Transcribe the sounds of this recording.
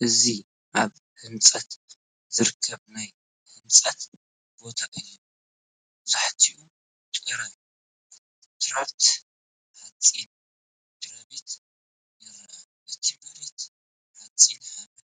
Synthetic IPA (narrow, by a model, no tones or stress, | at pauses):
ʔɨzi | ʔaβ | hɨmt͡sʼɐt̪ | z̥ɨɾkʰːɐβnaj | hɨmt͡sʼɐt̪ | bo̞t̪ʰaʔɨjːo | zʰʼaħt̪ʰiʔu | t̪ʼɨɾɐn | t̪ɾaβt̪ | hat͡sʼin | t̪ɾɐβit̪ | jɨɾɐʔ | ɨt̪ʰimɐɾit̪ | hat͡sʼːinalːɐ